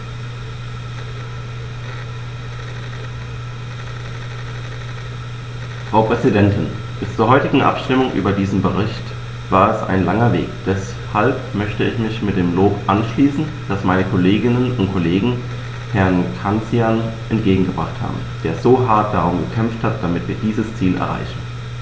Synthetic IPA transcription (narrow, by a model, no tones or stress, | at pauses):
fʁ̥aʊpʁ̥ɛzidɛntʰɪn | b̥ɪst͡suːɐɦɔʏtɪɡŋ̩ʔa̰pʃtɪmʊŋʔy̰ːbɐdiːzn̩bəʁ̞ɪçt | v̥aːɐɛsa̰ɪnlaŋɐvḛːkd̥ɛs | halpmœçtəɪçmɪçmɪt̚d̥eːmloːpʔanʃliːsn̩ | d̥asmaɪnəkʰoleːɡɪnənʊntkʰoleːɡŋ̩ | hɛɐnkʰant͡sianʔɛntɡ̥eːɡŋ̩ɡəb̥ʁaχtha̰ːbm̩d̥eːɐzoːɦaɐt̚d̥aʁ̞ʊmɡəkʰɛmfthat̚d̥amɪtv̥iːɐdiːzəst͡siːlʔɛ̰ɐʁa̰ɪçn̩